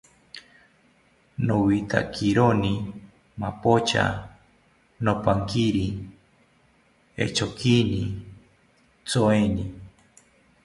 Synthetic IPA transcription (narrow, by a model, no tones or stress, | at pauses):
nowit̪a̰kʰiɾoni | mapot͡ʃa̰ | nopaŋkiɾi | ḛt͡ʃokini | t͡soeni